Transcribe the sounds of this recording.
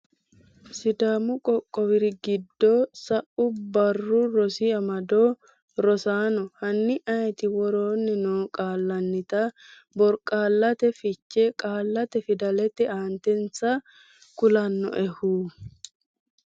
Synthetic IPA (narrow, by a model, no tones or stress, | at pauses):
sɪd̪aːmʊkʼɔkʼːɔwɪɾɪɡɪd̪ːoːsɐʔʊbɐrːʊɾɔsɪɐmɐd̪oː | ɾɔsaːnɔhɐnːɪʔɐjɛt̪ɪwɔɾoːnːɪnoːkʼaːlːɐnːɪt̪a | bɔɾkʼaːlːɐt̪ɛfɪt͡ʃːɛkʼaːlːɐt̪ɛfɪd̪ɐlɛt̪ːɛaːnt̪ɛnsɐ | kʊlɐnːɔ̰ʔɛhuː